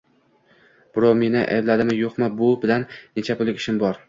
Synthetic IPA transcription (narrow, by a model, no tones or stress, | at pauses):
b̥ɪɾɒme̞nɪʔa̰blad̪ɪmɪjoqmabʊbɪlanːet͡ʃʰapʊlˠɪkʲɪʃɪmbɒɾ